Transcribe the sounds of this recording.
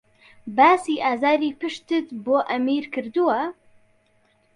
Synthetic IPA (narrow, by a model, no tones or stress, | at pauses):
baːsiːʔaːzaːɾiːpɨʃt̪ɨt̪boːʔɐmiːɾkʰɨɾd̪uwɐ